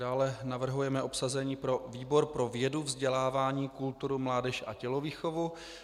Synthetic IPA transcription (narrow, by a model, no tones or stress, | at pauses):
daːlɛnavr̩ɦujɛmɛʔo̞psazɛɲiːpɾo̞viːbo̞ɾpɾo̞vjɛduvzɟɛlaːvaːɲiːkult̪uɾumlaːdɛʃʔa̰cɛloviːxo̞vu